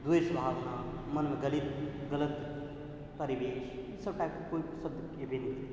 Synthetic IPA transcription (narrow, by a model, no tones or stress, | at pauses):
d̪wesbʱaːbna | mɐnmeɡɐlit̪ɡələt̪ | pɐɾiʋeːʃ | səbʈakkoisɐbd̪ | ebenikt̪